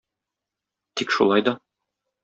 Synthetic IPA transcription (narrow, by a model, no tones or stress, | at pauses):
t̪ikʃṵlˠɑjd̪ɒ